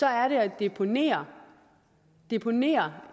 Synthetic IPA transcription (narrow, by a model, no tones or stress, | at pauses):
sɒ̽æɐɾe̝æd̥epʰonḛːɐ | d̥e̝pʰo̝ne̝̰ːɐ